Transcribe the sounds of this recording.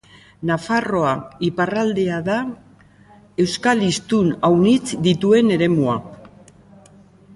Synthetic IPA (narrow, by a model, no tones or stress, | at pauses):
nafaro̞aiparald̪e̞aða | e̞wskalist̪unawnit͡sd̪it̪ue̞ne̞ɾe̞mua